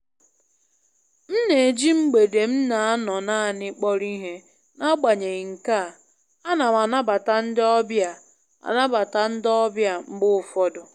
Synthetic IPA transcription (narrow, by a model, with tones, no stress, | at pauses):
m̩˦ne˨e˨d͡ʒi˦m̩˦ɡ͡be˨de˨m̩˦na˨a˦nɔ˨na˦a˨nɪ˦k͡pɔ˦ɾi˦ɦe˦ | na˦ɡ͡ba˨ɲe˨ɣi˨ŋ̩˨ka˦˨ | a˦na˨ma˨na˦ba˨ta˨n̩˦dɪ˦ɔ˦bja˨ | a̰˨na˦ba˨ta˨n̩˦dɪ˦ɔ˦bja˦˨ŋ͡m̩˦ɡ͡bʊ˦˨fɔ˦dʊ˨